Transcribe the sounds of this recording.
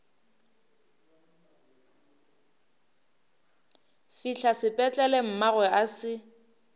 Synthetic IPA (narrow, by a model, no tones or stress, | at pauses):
fiɬʰasɪpʼɛt͡ɬʼɛlɛm̩maɣwɛasɪ